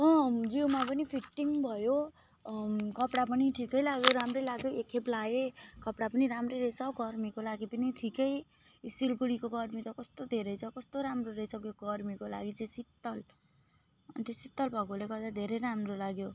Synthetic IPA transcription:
ʌ̃d͡ziwmap̬ʌnipʰiʈːiŋbʱʌjo | kʌpɽapʌniʈʰikʌjlaɡjoɾamrʌjlaɡjoekʰeplaekʌpɽapʌniɾamrʌjɾʌjsaɡʱʌrmikolaɡipʌniʈʰikʌj | silkuɽikoɡʌrmit̪ʌkʌst̪od̪ʱeɾʌjt͡sʰʌkʌst̪oɾamroɾʌjsʌkjoɡʱʌrmikola̰ɡit͡sʌ̃j̃sit̪ːʌl | ʌ̰nt̪esit̪ːʌlbʱʌkolekʌd̪ad̪ʱeɾejɾamrolaɡjo

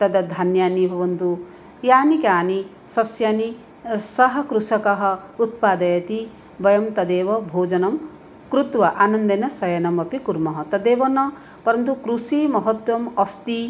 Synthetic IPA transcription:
t̪ɐd̪ɐd̪ʱanjaːnibʱɐʋɐnt̪u | jaːnikaːni | sɐsjani | sɐɦɐkɾusɐkɐɦɐut̪̚paːd̪ɐjɐt̪i | bɐjɐmt̪ɐd̪eːʋɔbʱoːd͡ʒɐnɐm | kɾut̪wɐʔaːnɐnd̪ɐnɐsɐjɐnɐmɐpikuɾmɐɦɐt̪ɐd̪eːʋɐnɐ | pɐɾɐnt̪̬ukɾusimɔɦɔt̪wɐmɐst̪i

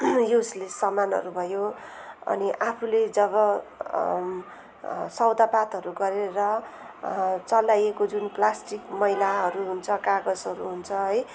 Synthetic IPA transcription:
joslesʌmanʌ̰ɾubʱʌjoʌ̰niʔapʰuled͡zʌβʌ | sʌwd̪apat̪ɦʌɾuɡʌɾeɾʌ | t͡sʌlajekod͡zunplasʈikmʌilaʌɾuɦunt͡sʰʌkaɡʌd͡zʌɾuɦunt͡sʰʌɦʌj

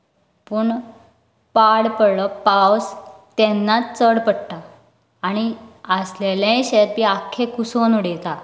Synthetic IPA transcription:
puːɳ | paɽpələpawst̪ɛnːat͡səɽpəɽʈ̪a | aɽ̃iəslelẽɕeɾpiakʰːekusonuɽet̪a

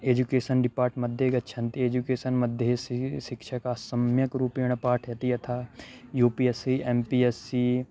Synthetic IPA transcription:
eːd͡ʒukeːsənɖɪpaːɾʈmɐd̪ʱjeɡɐtːʃʰɐ̃nt̪ieːd͡ʒukeːsənmɐd̪ʱjeʃɪkʃəkasɐmjəkɾuːpiɽ̃paːʈʰjɐt̪iɐt̪ʰaːjuːpiːesiːeːmpiːesiː

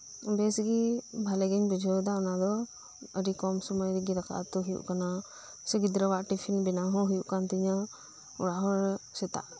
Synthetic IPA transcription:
bɛsɡibʱalɛɡɛɲbid͡ʒʱɔd̪aɔnad̪ɔ | əɾikɔmsɔmɔjɾiɡiɾakʰa̰ʔt̪ɔɦujṵʔkana | səɡid̪ɾəwaʔʈipʰinbɛnaɦɔ̃ɦujuʔkant̪iɲa | ṵɽaʔɦɔɾsɛt̪a̰ʔ

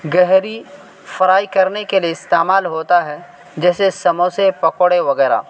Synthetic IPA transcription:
ɡɛɦɾi | fɐɾaːikɐɾnekelieɪst̪eːmaːlɦoːt̪aɦɛ | d͡ʒɛːsesɐmõsepɐkoɽeʋɐɡɛːɾa̰ː

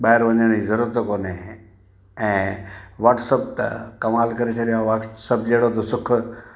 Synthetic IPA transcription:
ɓaːɪɾʋɐɲəɽ̃izɐɾuːɾət̪koːne | ɛ̃ːʋaːʈsɐb̚t̪ɐ̰kɐmaːlkɐɾet͡ɕʰɐɗijõʋaʈsɐb̚d͡ʑeɦɽot̪ʰosʊkʰʊ

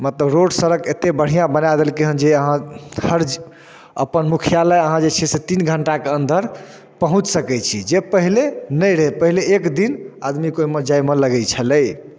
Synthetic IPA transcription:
mət̪ləbɾoɖsəɾəket̪ebəɽ̤ijãbənajd̪elkeɦənd͡ʒeəɦãhəɾd͡ʒ | əpənmukʰijaləəɦãd͡ʒet͡ʃʰɛset̪inɡʱəɳʈakeənd̪ʱəɾ | pəɦũt͡ʃsəkɛt͡ʃʰid͡ʒepəɦilenəjɾəɦepəɦileːkd̪ina̰d̪mikoimed͡ʒajmələɡɛt͡ʃʰələj

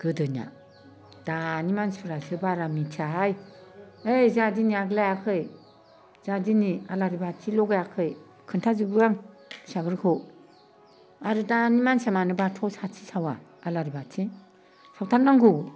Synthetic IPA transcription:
ɡ̥ɯdɯna̰ | d̥animansuɾasɯbaɾamitʰaɦaj | ejzadiniaɡlajakʰɯj | z̥adinialaɾibatʰilɔɡajakʰɯj | kʰɯntʰazɯbuɾaŋ | saɡɯɾkʰɯ | aɾɯdanimansamanɯbatʰɔsatʰi̥sawa̰ːlaɾibatʰi | sawtʰaɾnaŋɡu

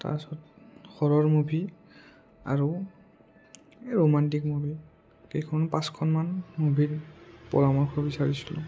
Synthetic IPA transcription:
ta̰sɔt̚ | xʰɔɹɔɹmobʱi | a̰ɹu | ɹomantik̚mobʱi | kejkʰɔnpãskʰɔnmanmobʱiɹpɔ̰ɹamɔɹkʰɔbisaɹisilʊ̰

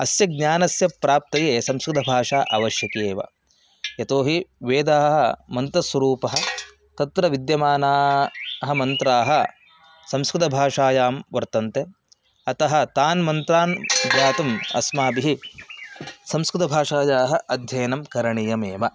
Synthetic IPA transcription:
ɐsjɐɡ̚ɲaːnɐsjɐpɾaːp̚t̪ɐjeːsɐmskɾɪt̪ɐbʱaːʂaːʔɐʋɐʃjɐkeːʋɐ̰ | jɐt̪oːɦiʋeːd̪aːɦɐɦɐmɐnt̪ɐswɐɾuːpɐɦɐ̆ | t̪ɐt̪ɾɐʋid̪jɐmaːnaːɦɐ̆mɐnt̪ɾaːɦɐ̆ | sɐmskɾɪt̪ɐbʱaːʂaːjaːmʋɐɾt̪ɐnt̪e | ɐt̪ɐɦɐ̆t̪aːnmɐnt̪ɾaːnbjaːt̪ɐmɐ̰smaːbiɦi | sɐmskɾɪt̪ɐbʱaːʂaːjaːɦɐʔɐd̪ʱjɐːnɐmkɐɾɐɳijɐmeːʋɐ

